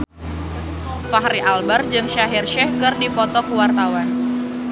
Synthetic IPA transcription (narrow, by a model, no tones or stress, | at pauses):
faɦɾiʔalbard͡ʒɨŋʃaɦirʃɛhkɨrdipɔt̪ɔkuwart̪awan